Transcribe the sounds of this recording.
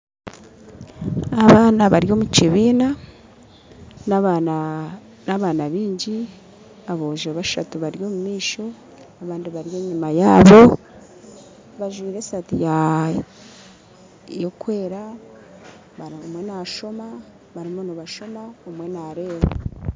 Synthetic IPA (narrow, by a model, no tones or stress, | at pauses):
aβaːnaβaɾjo̞muciβiːna | n | naβanaβiːɲɟi | aβoʒeβaʃa̰tuβaɾjo̞ːmumiːʃo̞ | aβaːndiβaɾje̞ːɲimajaːβo̞ | βaʒwiːɾe̞satija | jokwe̞ːɾa | βaomwe̞naʃo̞ma | βaɾimonoβaʃo̞maomwe̞naɾe̞ːβa